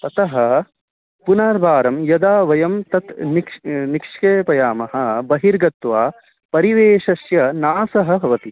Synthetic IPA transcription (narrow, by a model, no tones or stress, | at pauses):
t̪ɐt̪ɐɦɐ | punaːɾbʱaːɾɐmjɐd̪aːʋɐjɐmt̪ɐt̪nikʂnikʂkeːpɐjaːmɐɦɐ̆bɐɦiɾɡɐt̪ʋaː | pɐɾiʋeːʂɐsjɐnaːsɐɦɐ̆bʱɐʋɐt̪i